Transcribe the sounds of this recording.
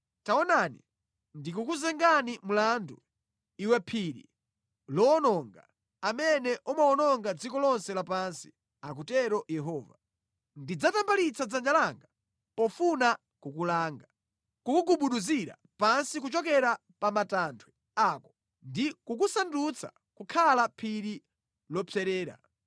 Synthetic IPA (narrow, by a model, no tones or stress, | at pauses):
taɔnanḭ | ndikukuzɛŋɡanimulandu | iwɛpʰiɾḭ | lɔːnɔŋɡa | amɛnɛʔumaɔnɔŋɡad͡zikɔlɔnsɛlapansi̥ | ak̬utɛɾɔjɛɦɔːva | ndid͡zatambalit͡sad͡zand͡ʒalaŋɡa | pɔfuna | kukulaːŋɡa | kukuɡuɓuɗuziɾa̰ | pansik̬ut͡ʃɔk̬ɛɾa | pamatantʰwɛ | aːkɔ̥ | ndikukusandut͡sʰa̰ | kukʰalapʰiɾi | lɔpʰɛɾɛːɾa̰